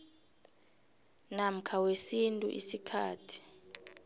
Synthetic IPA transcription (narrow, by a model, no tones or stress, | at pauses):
nam̩kʰawesintʼṵʔḭsikʰaːtʰi̥